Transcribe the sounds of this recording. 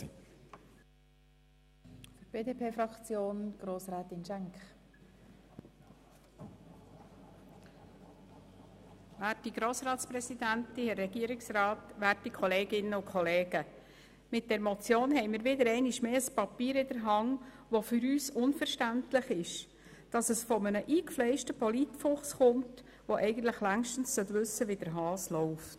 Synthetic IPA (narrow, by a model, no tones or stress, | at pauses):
fʏɾb̥eːdeːpʰeːfɾɑkt͡sjoːnɡ̥ɾoːsɾɛːt̪ɪnʃæŋkχ | ʋæːtiɡ̥ɾoːsɾɑːt̪spɾɛsid̪ænt̪ihɛːɛɡiəɾɪksrɑːtʋæːrtikʰɔleːɡɪnəʊkʰχɔleːɡ̥ə | mɪt̚d̥ɛɾmɔt͡sjoːnɦɛɪmiːɾʋɪdəɾɛɪnɪʃmeːəspɑpiːɾɪdəɾɦɑŋ | ʋofʏɾyːsʊnfəɾʃtæntlɪχɪʃ | d̥ɑsəsfɔmənəʔiːkflɛɪʃtəpɔlitfʊχsχʊmt | ʋoʔɛɪɡən̩t̪ləχlæŋʃtn̩ssœtʋʉsːəʋid̥əɾɦɑːslɔʊft